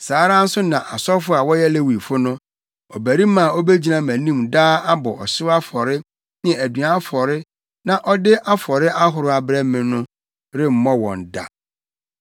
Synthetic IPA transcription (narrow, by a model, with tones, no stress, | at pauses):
saː˨˦ɾa˦n̩˦sʊ˦nã˨ʔa˨sɔ˦fʊ˦a˨wɔ˦jɛ˦le˦wi˨fʊ˦nʊ̃˦ | ɔ˨bæ˨ɾi˦mã˨ɔ˦be˦d͡ʑi˨˦nã˨mæ̃˨nĩ˦˨mdaː˦a˦bɔ˨ʔɔ˨sɪ˦a˦fɔ˨ɾɪ˦ | nɪ˦ɛ̃˨æ˨dɥa˨˦fɔ˨ɾɪ˦ | nã˨ʔɔ˦dɪ˦ʔa˦fɔ˨ɾɪ˦ʔa˦ɦʊ˨ɾʊ˨˦a˨bɾɛ˦mɪ̃˨nʊ̃˦ | ɾɪ˦m̩˨mɔ̃˦wɔ̰̃˨n˨da̰˨